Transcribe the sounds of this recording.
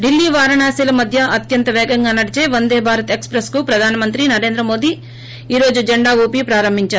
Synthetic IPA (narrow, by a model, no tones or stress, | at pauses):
ɖilːiːʋaːɾɐɳaːsiːlɐmɐd̪ʱjɐɐt̪jɐnt̪ɐʋɛːɡɐŋɡaːnɐɽit͡ʃe̞ːʋɐnd̪eːbʱaːɾɐt̪ekspɾeskupɾɐd̪ʱaːnɐmɐnt̪̬ɾinɐɾeːnd̪ɾɐmo̞ːd̪i | iːɾo̞ːd͡ʒud͡ʒɐɳɖaːʋuːpipɾaːɾɐmbʱiɲt͡ʃaːɾu